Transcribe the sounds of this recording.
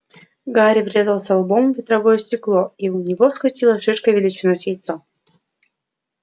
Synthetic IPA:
ɡaɾʲɪvɾʲe̞zəlˠsʲɐlˠbommvʲɪt̪ɾɐvojəsʲtʲɪklˠoiʊnʲɪvofskʲʊt͡ɕilˠəʂɨʂkəvʲɪlʲit͡ɕɪnosʲjejt̪so

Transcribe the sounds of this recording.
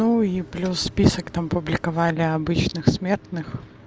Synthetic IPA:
uiplʲusːpʲisəkt̪ampʊblʲɪkɐvalʲɪɐbɨt͡ɕnɨxsmʲert̪nɨx

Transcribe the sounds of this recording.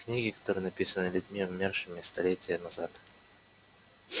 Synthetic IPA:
knʲiɡʲɪkɐ̥t̪o̞ɾɨjənɐpʲisənɨlʲʉdʲmʲivʊmʲerʂɨmʲɪst̪ɐlʲetʲɪjənɐzat̪

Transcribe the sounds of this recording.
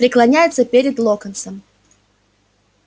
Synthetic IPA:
pɾʲɪklˠɐnʲæjɪt̪səpʲeɾʲɪd̪lˠokənsəm

